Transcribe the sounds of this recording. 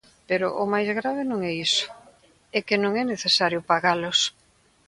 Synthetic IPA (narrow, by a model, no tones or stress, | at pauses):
peɾʊ̰ʔomajzɣɾaβ̞ɪnõŋɛisʊ̥ | ɛkɪnõŋɛneθesaɾjʊpaɣalʊs